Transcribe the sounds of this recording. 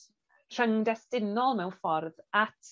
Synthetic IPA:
r̥əŋdɛstɪnɔlˠmɛwnfɔrðatʰ

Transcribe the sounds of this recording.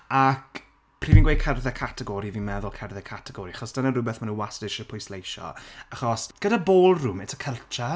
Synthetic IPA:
ak | pʰr̥iːvinɡwejkʰɛrðɛkʰatʰɛɡɔɾivinmɛðʊlˠkʰɛrðɛkʰatʰɛɡɔɾiaχɔsd̥ənarʊbɛθmanũnwasdɪʃəpʰʊjslejʃɔ̰aχɔsɡ̥ədaboːlˠrʊmɛtʰə̥kʰəlˠt͡ʃʰa

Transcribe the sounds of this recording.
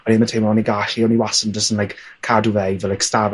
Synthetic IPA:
ɔnimatʰejmɔniɡaɬiɔniwasəndəsənlajk | kʰːaduvɛjvɛlajkstav

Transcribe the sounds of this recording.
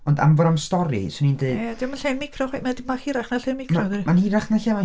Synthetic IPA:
ɔnda̰mvɔɾɔmstɔɾḭsɔnindeɨdad̥ɪmaɬɛnmɪkʰrɔχwemadɪmaχiɾaχnaɬɛnmɪkʰrɔðimanhiɾaχnaɬɛma

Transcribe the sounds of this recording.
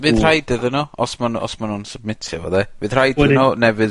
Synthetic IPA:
vɨðr̥ajdɪðənɔɔsmanɔ̰smanuːnsəb̚mɪtʰjɔ̰vɔ̰ðɛvɨːðr̥ajdnɔnɛvɨð

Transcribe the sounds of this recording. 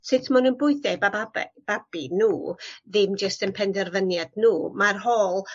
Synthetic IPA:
sɪtʰmanunbʊɨθɛbaabɛ̰b̥ab̥inuːðɪmd͡ʒəstənpʰɛndɛrvənjadnuːmarhoːlˠ

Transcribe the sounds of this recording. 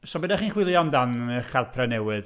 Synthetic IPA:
sɔbədɛχiːnχwɪlˠjɔndanəkʰalˠpʰrɛnɛwɨð

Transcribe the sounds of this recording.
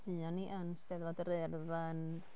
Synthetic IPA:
vɨɔniʔənsd̥ɛðvɔdəɾɛrðan

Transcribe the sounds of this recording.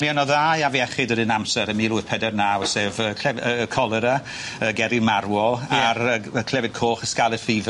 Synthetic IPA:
mianɔðajaviɛχɪdədɨnamsɛɾəmiːluːθpʰɛdɛrnawseːvəkʰlɛəkʰɔlˠəɾa | əɡɛɾɪmarwɔaɾəəkʰl̥ˠɛvɪd̚kʰoːχəskalˠəd̥fiv

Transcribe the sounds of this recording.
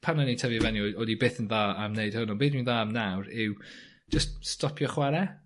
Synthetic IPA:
pʰanənitʰɛvivɛniɔɔdibɪːθənðaːamneɨd̥hʊnɔbeːθinðaːamnawɾɪw̥ | d͡ʒ̥əststɔpʰjɔχwaɾɛ

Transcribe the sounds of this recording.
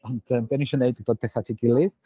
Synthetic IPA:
ɔnd̥əːmbɛniʃɔneɨddoːd̚pʰɛθatʰiːɡɪlˠɪð

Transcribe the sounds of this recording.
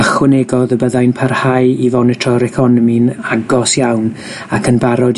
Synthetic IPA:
aχwɪneɡɔðəbəðajnpʰarhajivɔnɛtʰrɔɾɛkʰɔnəminaɡɔsjawn | akʰənbaɾɔd

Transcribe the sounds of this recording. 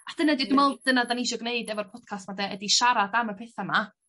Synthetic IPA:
ad̥ənadidɪmɔlˠd̥ənadaniʃɔɡneɨdɛvɔrpʰɔd̥̚kʰastmadɛədiʃaɾadaməpʰɪθama

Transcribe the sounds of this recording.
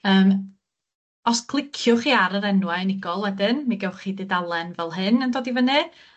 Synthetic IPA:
əːm | ɔskʰlˠɪkʰjʊχiːaɾəɾɛnwanɪɡɔlˠwɛdɪnmiɡɛwχiːdɨdalˠɛnvɛlˠɦɨnəndoːdivənɨ

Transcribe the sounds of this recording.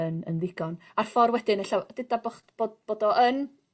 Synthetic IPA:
ənə̰nðɪɡ̥ɔn | arfɔrwɛdɪnəɬawd̥ɪdabɔχb̥oːdb̥oːdɔʔən

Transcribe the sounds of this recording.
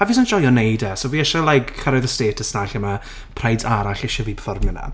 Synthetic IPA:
havisand͡ʒ̥ɔjɔnejdasoviːɛʃalajkʰːaɾaðəsteːtʰəsnaɬəma | pʰrajdsaɾaɬeʃəvipʰəfɔrmɪna̰

